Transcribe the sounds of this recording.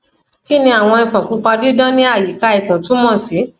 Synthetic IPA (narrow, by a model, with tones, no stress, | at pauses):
ki˦nĩ˧a˨w̃ɔ̃˧i˧˨fã˨kũ˨˦k͡pa˧di˦dã˦nĩ˦a˦˨ji˨˦ka˧i˨kã˨tũ˨˦mɔ̃˦˨si˨˦